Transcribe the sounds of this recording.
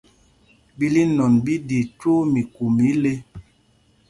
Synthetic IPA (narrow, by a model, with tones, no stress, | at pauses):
bi˦li˦nɔ˨nbi˦di˨to˦mi˨ku˨mi˨˦le˦